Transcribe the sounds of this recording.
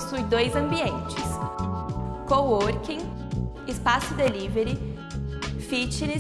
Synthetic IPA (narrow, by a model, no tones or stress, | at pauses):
sujd̪ojzɐ̃mbiẽnt͡ʃɪs | kowoɾkĩ | ɪspasʊd̪eliveɾɪ | fit͡ʃini